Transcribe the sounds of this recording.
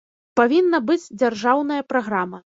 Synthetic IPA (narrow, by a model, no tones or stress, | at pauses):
pavʲinːɐbɨd͡zʲd͡zʲarʐawn̪ɐjɐpɾaɣɾamɐ